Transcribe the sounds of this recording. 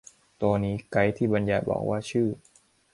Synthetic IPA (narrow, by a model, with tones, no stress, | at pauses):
t̪u˧niː˦˥ka˦˥jt̪ʰiː˥˩ba˧njaː˧˩bɔ̰ː˨˩k̚waː˥˩t͡ɕʰɯː˥˩